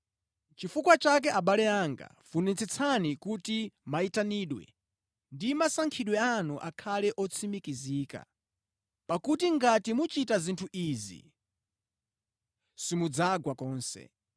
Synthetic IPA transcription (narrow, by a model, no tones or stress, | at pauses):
t͡ʃifukwat͡ʃak̬ɛʔaɓalɛaŋɡa̰funɛnt͡sʰɛt͡sʰanikutimaitaniːɗwɛ̰ | ndimasaŋkʰiɗwɛanuʔakʰalɛʔɔt͡sʰimikiziːka̰ | pakutiŋɡatimut͡ʃitazintʰuʔizḭ | simud͡zaɡwakɔːnsɛ̰